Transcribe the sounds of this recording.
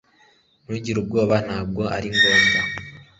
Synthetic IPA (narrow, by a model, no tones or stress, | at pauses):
nuɟiɾub̚ɡo̞ːβan̥aːb̚ɡo̞a̰ɾiŋɡoːmba